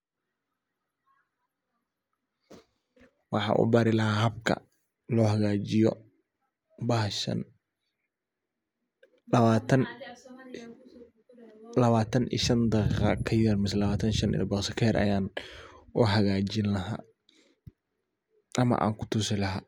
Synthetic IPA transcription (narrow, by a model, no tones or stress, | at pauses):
wɑħɑ̰ʔṵːbaːɾɪlɐɦaːɦɐbkʰɐ̰ | lɔːhɐɣaːt͡ʃɪjɔ | b̰n | n | lɐβaːt̪ʰɐnʔḭːʃɐnd̪ɑqiqɑ̰kʰɐjɐrmɪsɛlɐβaːt̪ʰɐnʃɐnɪ̰lɐ̰bɐqsɐkʰɛɾʔɐ̰jaːnuɦɐɣaːt͡ʃɪnlɐɦa̰ː | ʔɐmɐ̰ʔa̰ːŋkʰʊ̥t̪ʰʊsɪlɐɦaː